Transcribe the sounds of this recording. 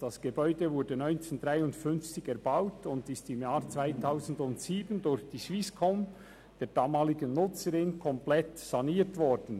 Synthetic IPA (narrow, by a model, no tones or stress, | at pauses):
d̥asɡ̥ebɔʏdəvʊɾdənɔʏnt͡seːndʁaɪʊndfʏnft͡sɪçɛʁbaʊtʊndɪstɪmjaːʁt͡sv̥aɪtʰaʊzn̩dʊntsiːbəndʊɾçd̥iːʃviskʰɔm | d̥eːd̥aːmaːlɪɡənːʊt͡səɾɪnkʰɔmplɛtsɑniːtvɔɾd̥n̩